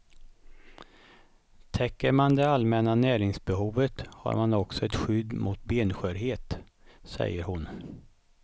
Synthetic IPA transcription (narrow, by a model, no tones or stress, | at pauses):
t̪ʰɛkːəɾmand̪ɛalmɛnanæːɾɪŋsbɛɦuːvət̪ha̰ɾmanɔksɔɛt̪ɧʏd̪mʊt̪̚beːnɧøːɾɦeːt̪ | sɛ̰jːəɾhʊn